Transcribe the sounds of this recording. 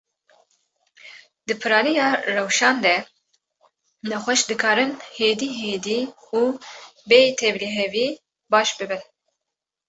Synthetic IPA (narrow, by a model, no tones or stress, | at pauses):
d̪ɨpʰɨɾɑːnijɑːrɛwʃɑːnd̪ɛ | nɛxʷɛʃd̪ɨkʰɑːɾɨnheːd̪iːɦeːd̪iː | uːbeːt̪ʰɛvliɦɛviː | bɑːʃbɨbɨn